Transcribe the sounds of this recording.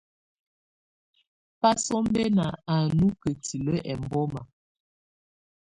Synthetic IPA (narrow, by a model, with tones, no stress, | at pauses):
pa˦sɔ˦m˦bɛ˦na˨a˨nu˦kə˨ti˨lə˦ʔɛ˨m˨bɔ˦ma˨